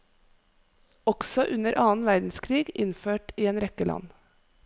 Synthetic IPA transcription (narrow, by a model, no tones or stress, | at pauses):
ɔɡ̥sɔʔʉnəɾʔɑːn̩ʋæɾd̪n̩skʰɾiːɡɪnføːʈiːeːnɾɛkəlʔɑ̰n